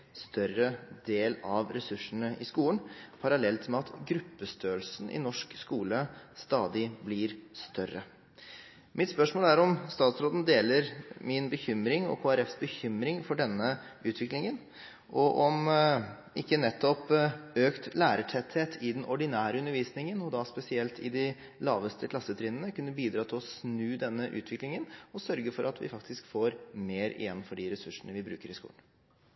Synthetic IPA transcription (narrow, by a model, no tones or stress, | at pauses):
st̪œrəd̪eːlɑʋɾɛsʉʂːəɳəʔɪskuːənpʰɑɾɑlɛlt̪mɛɑt̪ɡɾʉpːəst̪øːlsn̩ʔɪ̰nɔʂkskuːləst̪ɑːd̪ɪblɪɾst̪œɾːə | mʔɪt̪spœʂmoːlæɾɔmst̪ɑːt̪sɾoːd̪n̩d̪eːləɾmɪnbəçʏmɾɪŋɔ̰kʰoːæɾɛfsbəçʏmɾɪŋfɔɖɛnːəʉːt̪ʰʋɪklɪŋən | ʔɔʔɔm | ɪkːənɛt̪ːɔpøːkt̪læːɾəʈʰɛt̪heːt̪ʰɪd̪ɛnʔɔɖɪnæːɾəʉnəɾʋiːsnɪŋənɔd̪ɑspɛsɪɛlt̪ʰɪ̰d̪ɪ | lɑːʋəst̪əkʰlɑsːət̪ʰɾɪːnənəkʰʉnːəbiːd̪ɾɑːt̪ʰɪlɔsnʉːd̪ɛnːəʔʉ̰ːt̪ʰʋɪklɪŋənɔsœɾɡəfɔɾɑt̪ʰʋɪ̰fɑk̚t̪ɪskfoːɾmeːɾɪ̰jɛnːfɔɖɪɾɛsʉʂːənəʋɪbɾʉ̰ːkəɾɪskṵːən